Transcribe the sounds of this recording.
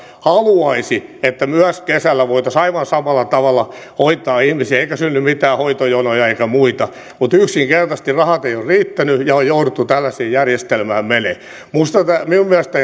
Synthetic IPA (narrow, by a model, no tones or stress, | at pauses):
hɑluɑisiet̪ːæmyæskesælːæʋoit̪ɑsɑiʋɑnsɑmɑlːɑt̪ɑʋɑlːɑ | hoit̪ːˑɑːihmisiæeikæsynːymmit̪æːhoit̪ojonojɑeikæmuit̪ɑ | mut̪yksiŋkert̪ɑst̪irrɑhɑt̪eijorriːt̪ːænyjɑojourut̪ːut̪ælːæseːjjærjest̪elmæːmmenḛ | must̪ɑt̪æmiummiæst̪æ